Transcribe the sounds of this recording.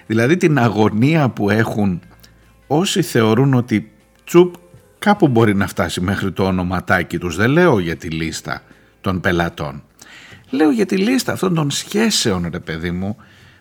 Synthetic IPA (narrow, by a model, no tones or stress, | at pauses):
ðilɐðit̪inɐɣo̞niɐpue̞xun | o̞siθe̞o̞ɾuno̞t̪i | t͡sup | kɐpubo̞ɾinɐft̪ɐsime̞xɾit̪o̞ːno̞mɐt̪ɐcit̪uzðe̞le̞o̞ʝɐt̪ilist̪ɐ̰ | t̪o̞npe̞lɐt̪o̞̰n | le̞o̞ʝɐt̪ilist̪ɐːft̪o̞nd̪o̞nsçe̞se̞o̞nɾe̞pe̞ðimu